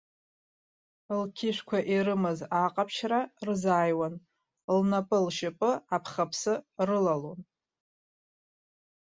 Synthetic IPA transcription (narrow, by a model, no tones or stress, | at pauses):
lkʲʰɪʃᶣʷkʷʰaʔiɾɨmɨzaqʼapʰʃrarzaːjwan | lnapʼɨlʃɪpʼɨapʰχapʰsɨrɨlalon